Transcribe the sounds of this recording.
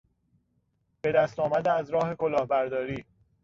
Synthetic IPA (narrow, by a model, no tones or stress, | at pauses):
b̥e̞d̪æst̪ɒːmæd̪eæzɾɒːhe̞ko̞lɒːhbæɾd̪ɒːɾiː